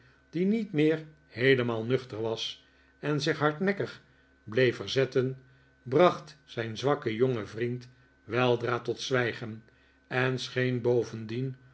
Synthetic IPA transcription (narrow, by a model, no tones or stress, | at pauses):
d̥initmɪːɹ | hejləmaːlˠnɵχtərʋɑs | ɛnzɪχɦɑɹtnɛkəχ | blejfəɹzɛtən | brɑχtsɛjnzʋɑkəjoŋəvrint | ʋɛlˠdraːtɔtsʋɛjχən | ɛnsχejnbowvəndin